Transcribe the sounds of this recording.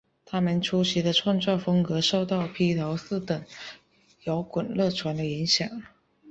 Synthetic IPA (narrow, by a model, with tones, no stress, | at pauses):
t̪ʰa˥mə˨nʈ͡ʂʰu˥ɕi˧˥d̪ə˧ʈ͡ʂʰwɑ˥˧ŋt͡swɑ˥˩fɤ˥ŋkɤ˧˥ʂo˥˧ʊt̪ɑ˥˩ʊpʰi˥t̪ʰɑ˧˥ʊsɹ̩˥˩t̪ə˨˩˦ŋ | jɑ˧˥ʊkwə˨˩nlɤ˥˩ʈ͡ʂʰwa˧˥nd̪ə˧i˧˥ŋɕjɑ˨˩˦ŋ